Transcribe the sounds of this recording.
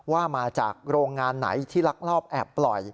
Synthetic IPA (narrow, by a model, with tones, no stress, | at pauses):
waː˥˩maː˧t͡ɕa̰ː˨˩k̚ɾoː˧ŋːaː˧nːa̰˩˦jt̪ʰiː˥˩la˦˥k̚lɔː˥˩p̚ʔɛ˨˩pːlɔ˨˩j